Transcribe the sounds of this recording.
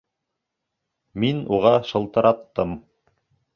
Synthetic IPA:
minuʁɑʃɤ̆lˠt̪ɤ̆ɾʔɑt̪ːɤm

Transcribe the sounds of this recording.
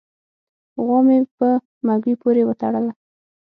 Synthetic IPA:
ɣɑmepə | maɡwipoɾewət̪aɽəla

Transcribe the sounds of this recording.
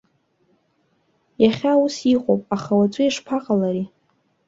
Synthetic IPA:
jaχʲaːwusiqʷʼo̰pʼaχawat͡ʃʷʼɨiʂpʰaqʼalaɾi

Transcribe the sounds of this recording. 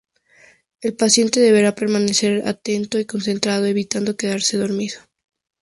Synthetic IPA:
e̞lpasje̞nt̪e̞ðe̞β̞e̞ɾape̞ɾmane̞se̞ɾa̰t̪e̞nt̪o̞iko̞nse̞nt̪ɾað̞o̞e̞βit̪and̪o̞ke̞ðaɾse̞ðo̞ɾmiðo̥

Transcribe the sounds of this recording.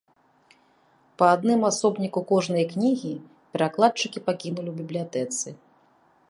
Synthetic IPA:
pɐad̪nɨmasɔbnʲikukɔʐnɨjɐknʲiɣʲi | pʲɛɾaklˠat͡ʂɨkʲipakʲinulʲiwbʲiblʲijat̪ɛt̪sɨ

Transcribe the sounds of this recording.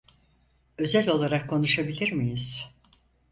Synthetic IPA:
ø̞zælʲo̞lˠaɾakʰːo̞nuʃabilʲiɾmijiz̥

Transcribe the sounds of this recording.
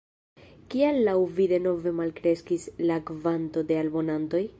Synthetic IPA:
kialːawvide̞no̞ve̞malkɾe̞skislakvanto̞de̞albo̞nanto̞j

